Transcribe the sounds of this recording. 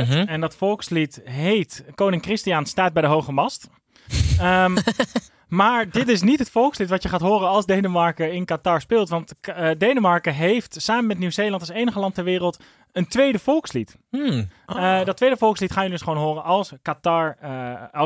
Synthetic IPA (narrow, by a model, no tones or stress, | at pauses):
ɛndɔtfolˠkslitɦejtkownɪŋkrɪstianstaːt̚bɛjdəɦowχəmɑst | maːɹdɪtɪs̬nitɦətfɔlˠkslitʋɑtjəχaːtɦoːɾənɑlˠzdejnəmɑɹkəɪnkataɹspɪːlˠtʋɑntdejnəmɑɹkəɦejftsaːməmɛtnywzejlɑntɑlsejnəχəlɑntɛɹʋɪːɾəlˠt | əntʋejdəfɔlˠkslit | dɔtːʋejdəfɔlˠkslitχaːjəldɵsχəʋownɦoːrənɑlˠskataɹ